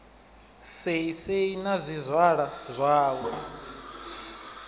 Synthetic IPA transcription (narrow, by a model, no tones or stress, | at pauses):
seiseinazʷizʷwaɺazʷaːwɛ